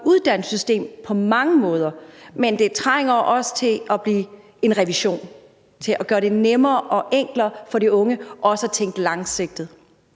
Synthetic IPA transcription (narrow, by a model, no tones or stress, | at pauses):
uð̞ˠd̥æn̰sysd̥e̝̰ːmpʰɒ̽mɑ̈ŋəmɔ̽ːð̞ˠɐmend̥e̝t͡sʰʁaɪŋɐʔɒ̽sə̥t͡sʰe̝ɒb̥liː | e̝nʁɛʋiɕo̝̰ːn | t͡sʰe̝lʔɒɡ̥ɶːɐɾe̝nemɐːʔɒ̽ʔeŋ̰ɡ̥lɐfɒ̽ɾiɔ̽ŋəʔɒ̽səæt͡sʰeŋ̰ɡd̥əlɑ̈ŋseɡ̥̚d̥ð̩ˠ